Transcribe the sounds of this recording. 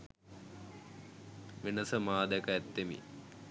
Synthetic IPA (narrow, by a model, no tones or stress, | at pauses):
ʋenəsəmaːd̪ɛkəɛt̪ːemḭ